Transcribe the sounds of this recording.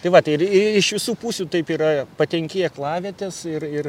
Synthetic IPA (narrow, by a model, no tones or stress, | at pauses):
t̪ɐɪʋɐt̪ɐɪɪɪɪʃʋʲɪsuːpuːsʲuːt̪ɐɪpiːɾɐpɐt̪ʲɛŋʲkʲeːjɛklˠɑːʋʲɛːt̪ʲɛsɪrɪr